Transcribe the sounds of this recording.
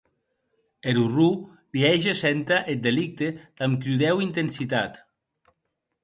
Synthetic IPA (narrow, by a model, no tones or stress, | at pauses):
eɾuru | liɛʒesɛnt̪aʔet̪̚d̪elik̚t̪ed̪̥amkɾuðɛwint̪ensit̪at̪